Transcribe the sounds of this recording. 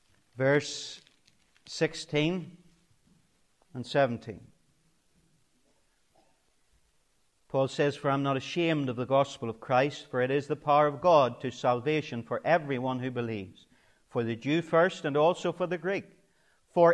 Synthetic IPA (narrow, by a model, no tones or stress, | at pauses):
vɜ˞s | ɪkstʰĩn | ə̃nsɛṽn̩tʰḭ̃n | pʰɔlˠsɛz̥fə˞ãɪ̃mnəɾɨʃẽmdʌvðəɡɔspəl̩ˠʌv̥kʰɹ̥aɪstfə˞ɨɾɪzðəpʰaʊə˞ʌvɡɔd̚tʰɨsælˠveʃɨ̃nfə˞ʔɛvɹiwʌ̃nhʉbɨlivz̥ | fə˞ðɨd͡ʒʉfɜ˞stɨ̃nɔlˠsoʊfə˞ðɨɡɹik | fə˞